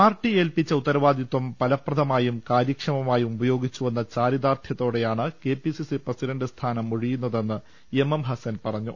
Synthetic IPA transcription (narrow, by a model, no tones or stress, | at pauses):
aːrʈːie̞ːlpit͡ɕːɐut̪ːɐɾɐʋaːd̪jit̪wɐmpɐlɐprɐd̪ʱɐmaːjumkaːɾjɐkʂɐmɐmaːjumubɐjo̞ːɡit͡ɕːuʋenːɐt͡ɕaːɾjid̪aːrt̪ʰjɐt̪ːo̞ːɽe̞jaːɳɨke̞ːpisisiprɐsiɾɐɳɖɨst̪ʰaːnɐmuɻijun̪ːɐðe̞nːɨ | ememɦɐsɐnpɐrɐɲːu